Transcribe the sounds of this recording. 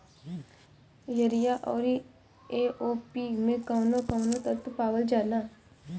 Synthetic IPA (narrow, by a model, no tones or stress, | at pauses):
jəɾijaːʔɔːɾi | eːʔoːpimẽkawnõkaʋnõt̪ət̪paːwəld͡ʒaːlãː